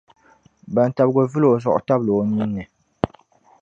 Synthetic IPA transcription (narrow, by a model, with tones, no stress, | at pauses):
ba˨n˨ta˨bɡo˨vɨ˦lo˨zɔ˨ʔʊ̰˨ta˦blo˨ni˦nːɨ˨